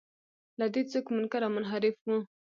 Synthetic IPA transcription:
lad̪et͡sokmʊnkaɾamʊnɦaɾɪfwũ

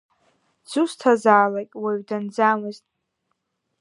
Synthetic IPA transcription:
d͡zustʰazaːlakʲʼwaɥdand͡zamɨztʼ

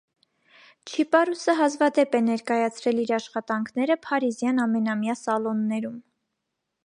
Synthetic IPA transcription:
t͡ʃʰipɑɾusəɦɑzvɑd̪ɛpɛnɛɾkɑjɑt͡sʰɾɛliɾɑʃχɑt̪ɑŋkʰnɛɾəpʰɑɾizjɑnɑmɛn̪ɑmjɑsɑlɔnːɛɾum

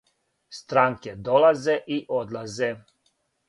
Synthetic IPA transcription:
st̪ɾaŋked̪olˠazeʔiʔod̪lˠaze

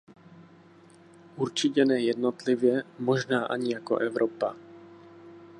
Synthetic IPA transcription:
ʔuɾt͡ʃicɛnɛːjɛd̪nɔt̪livjɛmɔʒnaːʔaɲijakɔ̰ʔɛvɾʔɔpa

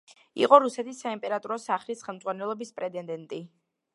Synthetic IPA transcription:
ḭqʼɔɾusɛt̪ʰisːaimpʼɛɾat̪ʼuɾɔsaχlisχɛlˠmd̪zʁwanɛlˠɔbispʼɾɛd̪ʼɛnd̪ɛnt̪ʼi

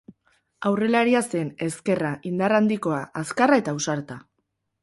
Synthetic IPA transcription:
awre̞laɾiase̞ne̞ske̞raʔind̪arand̪iko̞aʔaskarae̞t̪ausaɾt̪a

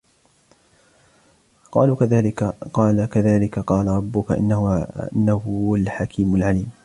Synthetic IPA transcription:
qɑ̰ːluðaːlɪqɑːlakaðaːlɪkaqɑːlaɾˤɑbːʊkaʔɪ̰nːɪ̰nːahalħakʰiːmalʕaliːm

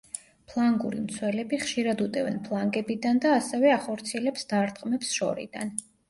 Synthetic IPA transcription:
pʰlˠaŋɡuɾimt̪sʰwɛlɛbiχʃiɾad̪ut̪ʼɛvɛnpʰlˠaŋɡɛbid̪and̪aːsɛvɛaχɔɾt̪sʰiɛlɛpsd̪̥aɾt̪ʼqʼmɛpsʃɔ̰ɾḭd̪̥a̰n

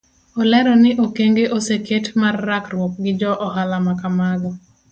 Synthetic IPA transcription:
ɔlɛɾɔnɪʔokeŋɡeʔoseketmarːakrwok̚ɡɪd͡ʒɔʔɔhalamakamaɡɔ

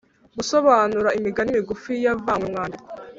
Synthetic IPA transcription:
ɡusoβaːnuɾaimiɡanimiɡufijavaːŋwemŋaːndiko

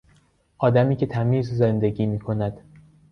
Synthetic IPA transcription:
ʔɒːd̪æmiːcʰe̞t̪ʰæmiːzzend̪eɟiːmiːkʰo̞næd̪̥

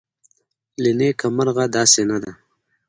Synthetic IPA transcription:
linekamaɾɣad̪ɑːsenad̪a

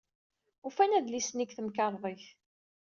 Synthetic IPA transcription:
ufænæðlisnikθəmkɑɾˤðˤeç

